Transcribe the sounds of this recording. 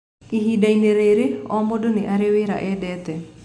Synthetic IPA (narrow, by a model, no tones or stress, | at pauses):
iɦidajneɾeɾeɔmɔdoniʔaɾeweɾa̰ʔedɛt̪ɛ